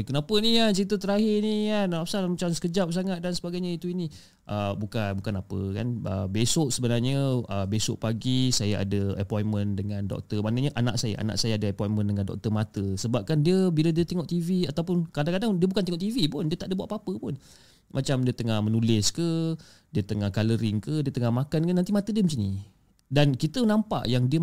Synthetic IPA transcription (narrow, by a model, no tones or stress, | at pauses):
kənapənikant͡ʃəɾit̪ət̪əɾaɦɪnikanlapsalmat͡ʃamsə̥kəd͡ʒap̚s̬aŋat̪̚dansəbaɡajɲait̪uini | ʔəbukanbukanapə̰ka̰nə̰besoʔsəbənarɲəəbesʊ̰ʔpaɡisajaa̰dəəpɔjnmə̃ndəŋandɔ̰k̚t̪əmanəɲəʔana̰ʔsaja̰ʔa̰na̰ʔsajaadəəpɔinmə̃ndəŋandɔ̰k̚t̪ərmat̪əsəbap̚kandiəbilədiət̪eŋɔʔt̪iviat̪awpʊnkadaŋkadaŋdiəbukant̪eŋɔʔt̪ivipʊndiət̪aʔdəbuaʔpapəpʊn | mʔat͡ʃamdiət̪əŋahmənulɪskə | diət̪əŋahkaləɾɪŋkədiət̪əŋahmakandəanːant̪̬imat̪ədiəməɲt͡ʃini | dankit̪ənampa̰ʔjaŋdiə